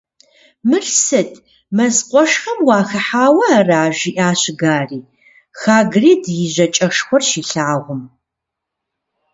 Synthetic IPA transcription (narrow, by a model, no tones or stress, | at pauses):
mɨrsɨtʰʼ | mɐzqʷʼɔʂχɐmwɑːxɐħaːwɐaraːʒiːʔaːɕɪɡaːriː | xaːɡriːdjɪʑɐt͡ʃʼɐʂxʷɔrʃiːɬaːʁʷʊm